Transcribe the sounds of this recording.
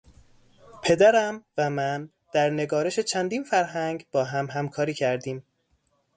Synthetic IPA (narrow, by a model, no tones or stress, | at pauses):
pʰe̞d̪æɾæmvæmæn | d̪̥æɾne̞ɡɒːɾe̞ʃe̞t͡ʃʰænd̪iːnfæɾɦæŋɡb̥ɒːɦæmɦæmkʰɒːɾiːcʰæɾd̪iːm